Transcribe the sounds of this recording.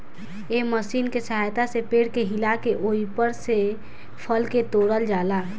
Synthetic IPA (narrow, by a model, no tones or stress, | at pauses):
eməsiːnkesəɦajt̪asepeɽkeɦilakeʔoipəɾse | pʰəlket̪oɽəld͡ʒaːla